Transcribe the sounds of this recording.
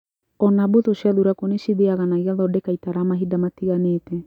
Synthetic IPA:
ɔnabot̪oʃaðuɾakoneʃiðeaɣanaɣiaðɔdɛkaitaɾamaɦidamatiɣaneːtɛ

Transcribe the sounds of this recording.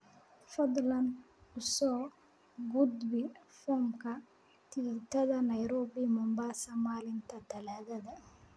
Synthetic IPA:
fɐd̪lɐn | ʊsɔː | ɡud̪bɪfɔːmkʰɐ | t̪ʰit̪ʰɐðɐnɐjɾɔːbimʊmbaːsɐmaːlɪnt̪ʰɐt̪ʰɐlaːðɐðɐ

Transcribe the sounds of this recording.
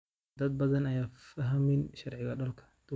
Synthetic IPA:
d̪ɐd̪̚bɐðɐnɐjaːfɐɦɐmɪnʃɑrʕɪɣɐɖɔlkʰɐ̥d̪̥u

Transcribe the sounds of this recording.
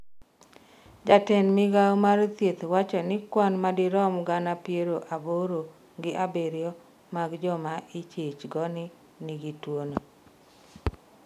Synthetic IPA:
d͡ʒatɛnmɪɡaomaɾt̪jet̪wat͡ʃɔnɪkwanmadɪɾɔmɡanapjeɾoʔaboɾo | ɡɪʔabeɾjɔ | maɡd͡ʒɔmaʔit͡ʃet͡ʃɡɔnɪ | nɪɡitwono

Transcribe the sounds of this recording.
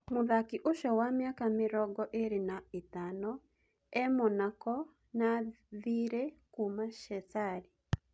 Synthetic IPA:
moðakiʔoʃɔwamjakamɪɾɔɡɔʔeɾenaetanɔ | ɛmɔnakɔ | na | ðiɾekumaʃɛsaɾi

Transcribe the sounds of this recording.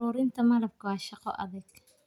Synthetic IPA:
uːɾɪnt̪ʰɐmɐlɐb̚kʰɐwaːʃɑqɔ̰ʔɐ̰ðɐɡ

